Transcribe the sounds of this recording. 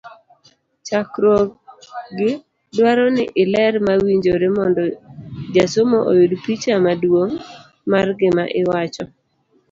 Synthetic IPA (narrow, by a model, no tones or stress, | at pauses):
t͡ʃakɾɔ | ɡɪ | dwaɾɔnɪʔɪlɛɾmawiɲd͡ʒoɾemɔndɔd͡ʒasomoʔo̰judpit͡ʃamadwoŋ | marɡɪmaʔɪwat͡ʃɔ